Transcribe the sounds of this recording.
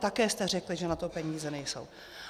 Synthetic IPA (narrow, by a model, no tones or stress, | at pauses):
t̪akɛːst̪ɛr̝ɛklɪʒɛnat̪o̞pɛɲiːzɛnɛjso̞̰w